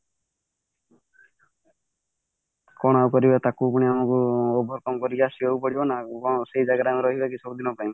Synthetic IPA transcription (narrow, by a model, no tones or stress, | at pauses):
kɔɽ̃aukɔɾibat̪akup̬uɽ̃iamɔkuɔbɔɾkɔmɔkɔɾibasioupɔɽibɔnabɔ̃seɦid͡ʒaɡaɾamiɾɔɦibakisɔbud̪inɔpaj̃m